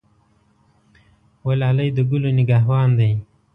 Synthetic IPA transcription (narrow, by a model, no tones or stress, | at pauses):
walɑːlajd̪əɡuloniɡɑːɦwɑːnd̪aj